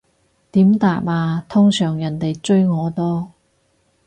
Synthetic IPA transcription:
t̪iː˨˥mt̪aː˨p̚aː˧t̪ʰʊ˥ŋsœː˨˩ŋjɐ˨˩nt̪e˨jt͡sɵ˥ɥŋɔː˨˧t̪ɔː˥

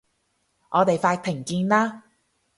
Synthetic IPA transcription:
ʔɔː˨˧t̪e˨jfaː˧t̪ʰɪ˨˩ŋkiː˧nlaː˥

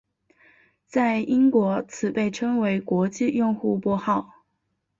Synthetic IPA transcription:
t͡sa˥˩ɪi˥ŋkwɔ˧˥t͡sʰɹ̩˨˩pe˥˩ɪʈ͡ʂʰɤ˥ŋwe˧˥ɪkwɔ˧˥t͡ɕi˥˧jʊ˥˧ŋxu˥˧pwɔ˥˧xɑ˥˩ʊ

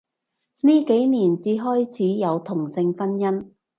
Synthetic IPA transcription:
niː˥ke˨˥jniː˨˩nt͡siː˧ɦɔː˥jt͡sʰiː˨˥jɐ˨˧wt̪ʰʊ˨˩ŋsɪ˧ŋfɐ˥njɐ˥n

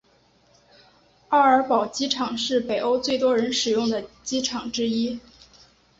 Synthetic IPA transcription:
a˥˩ə˞˧˥pɑ˨˩ʊt͡ɕi˥ʈ͡ʂʰɑ˨˩ŋʂɻ̩˥˩pe˨˩ɪʔo˥ʊt͡swe˥˩ɪt̪wɔ˥ɻə˧˥nʂɻ̩˨˩jʊ˥˩ŋd̪ə˩t͡ɕi˥ʈ͡ʂʰɑ˨˩ŋʈ͡ʂɻ̩˥i˥

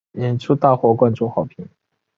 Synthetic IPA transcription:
jɛ˨˧˥nʈ͡ʂʰu˥t̪a˥˧xwɔ˥˧kwa˥˧nʈ͡ʂʊ˥˧xɑ˨˩ʊpʰi˧˥˦ŋ

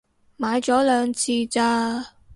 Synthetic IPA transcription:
maː˨˧jt͡sɔː˨˥lœː˨˧ŋt͡sʰiː˧t͡saː˧

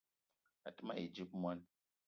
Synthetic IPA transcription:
a˨tɨ˦ma˦e˨d͡ʒi˦p̚m˦a˦n

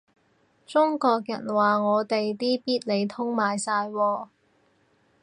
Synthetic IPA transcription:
t͡sʊ˥ŋkɔː˧k̚jɐ̰˨˩nwaː˨ŋɔː˨˧t̪e˨jt̪iː˥piː˥t̚le˨˧jt̪ʰʊ˥ŋmaː˨jsaː˧jwɔː˧

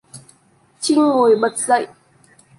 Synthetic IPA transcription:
t͡ɕi˦˥ŋːo˨˩jɓə˨˩t̚zə̰˧˨jʔ

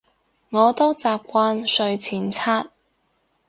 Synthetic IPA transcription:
ŋɔː˨˧t̪o˥wt͡saː˨p̚kʷaː˧nsɵ˧ɥt͡sʰiː˨˩nt͡sʰaː˥t̚

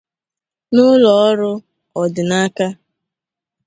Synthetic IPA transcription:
nʊ˦lɔ˨ɔ˦ɾʊ˦ | ɔ˨dɪ˨na˦ka˦

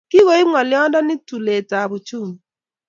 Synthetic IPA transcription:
ki˦ɣo˨˦i˦ŋɔ˨lɪ˦ɔ˦dɔ˦ni˦tu˨le˨ta˨bu˨t͡ʃu˦˨m˨

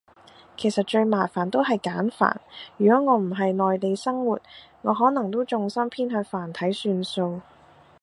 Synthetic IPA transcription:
kʰe˨˩jsɐ˨t̚t͡ʃɵ˧ɥmaː˨˩faː˨˩nt̪o˥wɦɐ˨jkaː˨˥nfa̰ː˨˩njyː˨˩kɔː˨˥ŋɔː˨˧m̩˨˩ɦɐ˨jnɔː˨jt̪e˨˧jsɐ˥ŋwuː˨˩t̚ | ŋɔː˨˧ɦɔː˨˥nɐ˨˩ŋt̪o˥wt͡sʊ˧ŋsɐ˥mpʰiː˥nɦœː˧faː˨˩nt̪ʰɐ˨˥jsyː˧nso˧w

